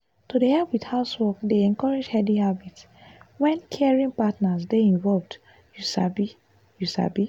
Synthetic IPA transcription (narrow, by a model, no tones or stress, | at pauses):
todehɛpwidhaʊswɔkdeɛ̃nkɔɹed͡ʒhɛdihabit | wɛ̃nkʰɛɛɹĩŋpatnasdeĩnvɔlvd | jusa̰bi | jusa̰bi